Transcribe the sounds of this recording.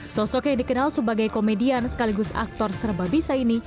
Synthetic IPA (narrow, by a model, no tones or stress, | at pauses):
sɔsɔkjaŋdikənalsəbaɡajkomediansə̥kaliɡʊsa̰k̚t̪ɔrsərbabisaini